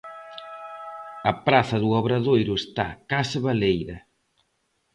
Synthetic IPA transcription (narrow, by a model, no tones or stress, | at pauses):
ɐpɾaθɐðuɔβɾɐðojɾʊest̪akasaβalejðɐ